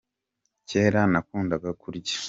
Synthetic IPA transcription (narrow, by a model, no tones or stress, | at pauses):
ceːɾanakuːndaɡakʰuɾɟe̥